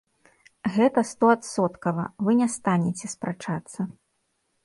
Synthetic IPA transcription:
ɣɛt̪ɐst̪ɔat̪sɔt̪kɐvɐvɨnʲɛst̪anʲɛt͡sʲɛspɾʔat͡ʂat̪sːɐ

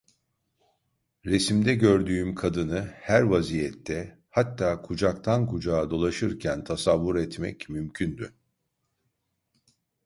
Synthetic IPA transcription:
ɾe̞simd̪ɛɟøɾd̪yːymkʰad̪ɯnɯhæɾvazijɛt̪ʰːɛ | hat̪ːaːkʰud͡ʒak̚t̪ʰankʰud͡ʒaːd̪o̞lˠaʃɯɾcʰænt̪ʰasavːuɾɛt̪mɛ̰cmymcʰynd̪y

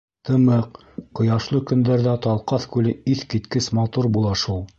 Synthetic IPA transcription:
t̪ʰɤ̆mɤq | qŏjɑʃlˠɤkɵ̆nd̪æɾðæt̪ɑlˠqɑθkʉlɘiθkit̪kɘsmɑt̪uɾbulˠɑʃulˠ

